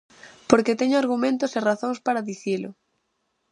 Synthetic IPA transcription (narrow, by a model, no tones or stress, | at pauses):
poɾket̪ɛɲʊaɾɣumẽnt̪ʊseraθõŋspaɾaðiθilʊ̰